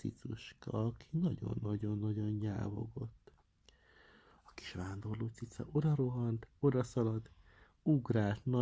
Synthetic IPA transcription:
sḭt̪suʃkɒɒkʰinɒɟo̞̰nːɒɟo̞nːɒɟonja̰ːvo̞̰ɡo̞t̪ː | ɒki̥ʃʋaːnd̪o̞rloːt̪sit̪sɒ̰ʔod̪ɒɾoɦɒnt̪o̞d̪ɒsɒlɒd̪ | uɡraːlt̪nɒ

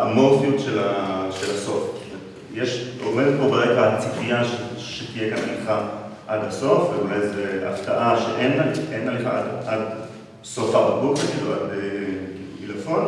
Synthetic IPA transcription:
amofijut̪ʃelaʃelaso̞ftmet̪ | jeʃomed̪et̪̚po̞beʁeɡat͡sifijaʃeʃet̪ijekana̰liχaʔad̪haso̞fvelezea̰ft̪aʔaʃeʔenalenaliχa̰ad̪ad̪ | sofaʁbabokeiveadbe | ilefon

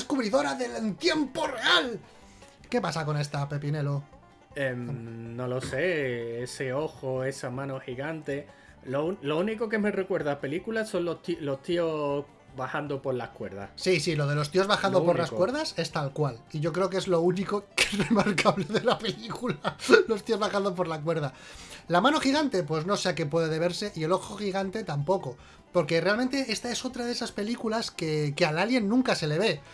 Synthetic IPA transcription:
skuβɾiðo̞ɾaðe̞lent̪je̞mpo̞re̞al | ke̞pasako̞ne̞st̪ape̞p̬ine̞lo | emno̞lo̞se̞eseo̞xoe̞samãnoxiɣant̪e̞ | lolouniko̞ke̞me̞re̞kwe̞ɾðape̞likulaso̞nlot̪ilo̞st̪io̞ | βahand̪opo̞ɾlahkwe̞ɾða̰sisilo̞ðe̞lo̞st̪io̞zβaxand̪opoɾlaskwe̞ɾðase̞st̪alkwaliʝo̞kɾe̞o̞k̬e̞zlo̞uniko̞ke̥re̞maɾkaβle̞ðe̞lape̞likulalo̞st̪io̞zβaxand̪opo̞ɾlak̬we̞ɾð̞a | lamãno̞xiɣ̞ant̪e̞pwe̞zno̞se̞ake̞p̬we̞ðeðe̞β̞e̞ɾse̞ʔie̞lo̞xoxiɣant̪e̞t̪ampo̞ko̞ | po̞ɾke̞re̞almẽnt̪e̞e̞st̪ae̞so̞t̪ɾaðesaspe̞likulaske̞kealalje̞nːũŋkase̞le̞β̞e̞

